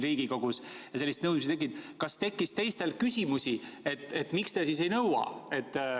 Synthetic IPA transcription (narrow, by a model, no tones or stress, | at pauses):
riːɡ̥iko̞ɡ̥usjɑse̞lːist̪nɤw̪msit̪ek̬ːid̪̥kɑst̪e̞kːist̪e̞jst̪e̞lkysʲimusie̞t̪ːˑe̞t̪ːˑmikst̪e̞sis̬e̞jnɤwɑ̰e̞t̪ː